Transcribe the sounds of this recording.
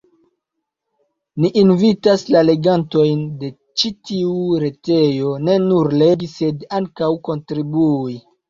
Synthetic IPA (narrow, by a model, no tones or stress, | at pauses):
niʔːnvitaslale̞ɡanto̞jnde̞ | t͡ʃitiuɾe̞te̞jo̞ne̞nuɾle̞ɡise̞daŋkawko̞ntɾibui